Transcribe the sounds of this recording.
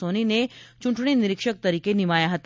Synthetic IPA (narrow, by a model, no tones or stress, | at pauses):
oninet͡ʃũɳʈɳ̃inɪɾɪkʃək̚t̪əɾikenimajaɦət̪a